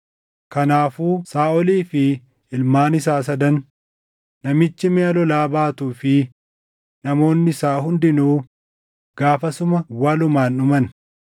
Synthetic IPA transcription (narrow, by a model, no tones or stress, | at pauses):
kɐnaːfuːsaːʔɔliːfɪ | ɪlmaːnɪs̬aːs̬ɐd̪ɐn | nɐmɪt͡ʃːɪmɛːɐlɔlaːbaːt̪uːfɪ | nɐmo̞ːnːɪɪsaːɦʊnd̪ɪnuː | ɡ̥aːfɐsʊmɐwaːlʊmaːnʊmɐn